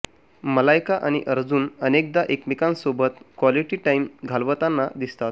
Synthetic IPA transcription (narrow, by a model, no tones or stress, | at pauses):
məlajkaʔañiʔəɾd͡zuːnənek̚d̪aʔekmikãnsobət̪kʋaliʈiʈaimɡʱalʋət̪anːad̪ist̪at̪̚